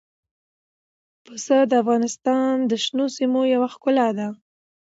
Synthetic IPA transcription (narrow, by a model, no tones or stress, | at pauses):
pəsəd̪əafɣɑnɪst̪ɑnd̪əʃnosimojawaxkʊlad̪a